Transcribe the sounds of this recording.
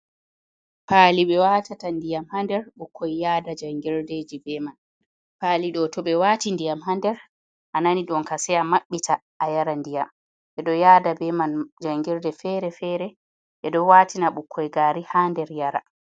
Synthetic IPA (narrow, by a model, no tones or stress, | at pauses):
paːliɓɛwatatandijamhandɛɾɓukʰːɔjjaːdad͡ʒaŋɡɛɾded͡ʒibɛman | paːliɗɔtɔɓɛwaːtindijamɦandɛɾ | ʔananiɗɔnkasɛjamaɓːitʰaʔːjaɾandijam | ɓɛɗɔjaːdabɛmand͡ʒaŋɡiɾdɛfɛɾɛfɛɾɛ | ɓɛɗɔwaːtʰinaɓukʰːɔjɡaːɾihandɛɾjaɾa̰